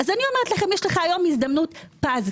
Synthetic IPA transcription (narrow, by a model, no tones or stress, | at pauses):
azanio̞meʁetlaχe̞mjeʃleχaːjo̞mizd̪ɐmnutpaz